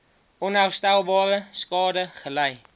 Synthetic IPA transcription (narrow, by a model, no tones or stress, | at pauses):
onawst̪awbɒɾəʃkɒd̪aχəlaj